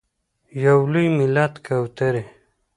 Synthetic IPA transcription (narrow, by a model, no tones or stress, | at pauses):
jawlujmilat̪kawt̪eɾe